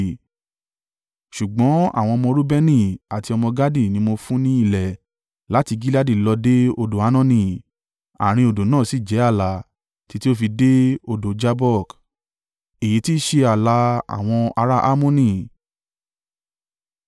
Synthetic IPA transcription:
ʃu˨ɡ͡bɔ̃˨˦a̰˦˨w̃ɔ̃˧ɔ˧mɔ̃˧ɾu˦bɛ˦nĩ˦˨a˨ti˧ɔ˧mɔ̃˧ɡa˦di˦˨nĩ˧˦mo˧fũ˦nĩ˦i˦˧˨lɛ˨ | la˨˦ti˧ɡi˦la˦di˦˨lɔ˧de˦o˧do˨a˨˦nɔ̃˦˨nĩ˧˨ | a̰˨ɾ̃ĩ˧o˧˨do˨nãː˦˨si˦˨d͡ʒɛ˨˦a˦˨la˨ | ti˧ti˦o˦fi˧de˦o˧do˨d͡ʒa˧bɔ˦˨k | e˨ji˨˦ti˦ʃe˧a˨la˧a̰˨w̃ɔ̃˧a˧ɾa˦ʔa˦mõ˦nĩ˧˨

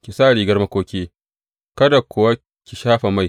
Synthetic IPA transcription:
kʲi˨saː˦˨ɽiː˨ɡɐ˦rmɐ˦kʷoː˦kʲeː˦ | kɐ˦da˨kʷʰʊ˨wa˦ | kʲi˨ʃaː˦ɸa˨ma˦˨j

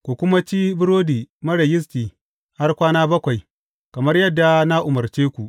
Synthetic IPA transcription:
kʷu˨kʷʊ˦ma˦t͡ʃiː˦bɪ˦ɾoː˦diː˨mɐ˦ɽɐ˨jɪ˦s̬tiː˨ | ha˦rkʷaː˦naː˦bɐ˦kʷa˨j | kɐ˨mɐ˦rjɐ˦dːa˨na˦ʔʊ˨mɐ˨rt͡ʃeː˦kʷu˨ʔ

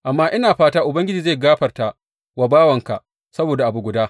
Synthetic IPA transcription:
ʔa˨mːaː˦ʔɪ˦naː˨ɸaː˦taː˦ʔʊ˨bɐ˦ŋɡʲɪ˦d͡ʒiː˨za˦˨ɡaː˦ɸɐ˨rta˨ | wa˨baː˦wɐ˨ŋka˨ʔ | sɐ˦boː˨da˨ʔa˨bu˨ɡʷʊ˨daː˦

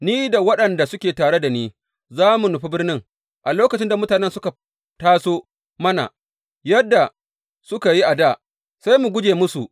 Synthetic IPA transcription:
niː˦da˨wɐ˦ɗɐ˨nda˨sʊ˦kʲeː˨taː˨ɽe˦da˨niː˦ | zaː˦mu˨nʊ˨ɸi˦bɪ˦rnɪ˦ŋ | ʔa˨loː˦kɐ˨t͡ʃɪ˦nda˨mʊ˦taː˨nɛ˦nsʊ˦ka˨ | taː˦soː˦ | mɐ˦na̰˨ | jɐ˦dːa˨ | sʊ˦ka˨ji˦ʔa˨daː˦˨ | sa˦jmu˨ɡʷʊ˦d͡ʒeː˨mʊ˦su˨ʔ

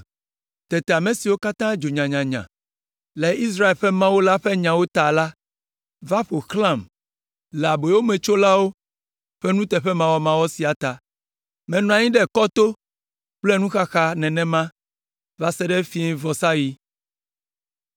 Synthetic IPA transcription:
t̪ɛ˨t̪ɛ˨a˨mɛ̃˨si˨wo˦ka˦t̪ã˦d͡ʒo˨ɲã˨ɲã˨ɲã̰˨ | lɛ˨i˦s̬ɾa˦e˨lɸɛ˦mã˦wo˦la˦ɸɛ˦ɲã˨wo˦t̪a˨la˦ | va˦ɸo˨xlã˦˨m | la˨be˨wo˦mɛ̃˨t͡ʃo˦la˦wo˦ | ɸɛ˦nũ˦t̪ɛ˨ɸɛ˦mã˦wɔ˦mã˦wɔ˦si˨a˨t̪a˨ | mɛ̃˨nũ˨ã˨ɲĩ˦ɖɛ˦kɔ˦t̪o˦ | k͡plɛ˦nũ˦xa˦xa˦nɛ̃˨nɛ̃˦mã˦ | va˦sɛ˦ɖɛ˦fi˦ɛ̃˦vɔ˨sa˦ji˦

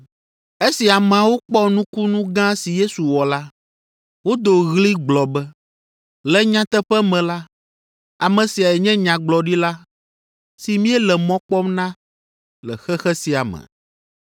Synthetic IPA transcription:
e˦si˨a˨mɛ̃˨a˨wo˦k͡pɔ˦nũ˦ku˦nũ˦ɡã˦si˨je˦su˨wɔ˨la˦ | wo˦d̪o˨ɣli˦ɡ͡blɔ˨bɛ˦ | lɛ˦ɲã˦t̪ɛ˦ɸɛ˦mɛ̃˨la˦ | a˨mɛ̃˨si˨a˨ɛ˨ɲɛ̃˦ɲã˨ɡ͡blɔ˨ɖi˦la˦ | si˨mĩ˦ɛ˦lɛ˨mɔ̃˦k͡pɔ˦mnã˦ | lɛ̰˨xɛ˦xɛ˦si˨a˨mɛ̰̃˨

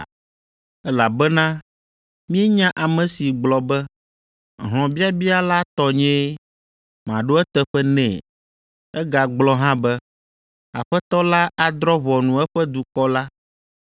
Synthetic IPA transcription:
ɛ˦la˨bɛ˦nã˦ | mĩ˦ɛ˦ɲã˦ʔa˨mɛ̃˨si˨ɡ͡blɔ˨bɛ˦ | ɦl̃ɔ̃˨bi˦a˦bi˦a˦la˦t̪ɔ˨ɲɛ̃˦ | mã˨ɖo˦ɛ˦t̪ɛ˦ɸɛ˦nɛ̰̃˨ | ɛ˦ɡa˨ɡ͡blɔ˦ɦã˦bɛ˦ | a̰˨ɸɛ˦t̪ɔ˦la˦ʔa˨d̪ɾɔ˦βɔ˨nũ˨ɛ˦ɸɛ˦d̪u˨kɔ˦la˦

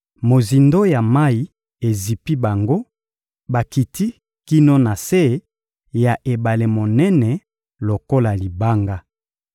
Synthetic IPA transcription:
mo˨zi˨ndo˦ja˨ma˦i˨ | e˨zi˨pi˦ba˨ŋɡo˦ | ba˨ki˨ti˦ | ki˦no˦na˨se˦ | ja˨ʔe˨ba˨le˨mo˨nɛ˦nɛ˨ | lo˨ko˦la˨li˨ba˦ŋɡa˦

